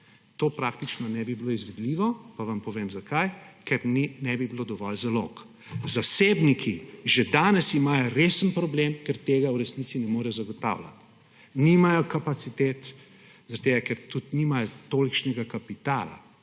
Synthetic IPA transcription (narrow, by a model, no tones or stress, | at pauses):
t̪oːpɾakt̪it͡ʃnɔnɛbibiloizʋɛd̪liʋɔpaʋɐmpɔʋeːmzakajkɛɾninɛbibilod̪ɔʋɔlzalok | zaseːbnikʰiʒed̪aːnɛsimajɔɾeːsənpɾɔblemkɛɾt̪eːɡawɾɛsnit̪sinɛmoːɾɛjɔzaɡɔt̪a̰wla̰t̪ | nimajɔkapat̪sit̪eːt̪ | zaɾɐt̪eːɡakɛɾt̪ut̪nimajɔt̪olikt͡ʃnɛɡakapit̪aːla̰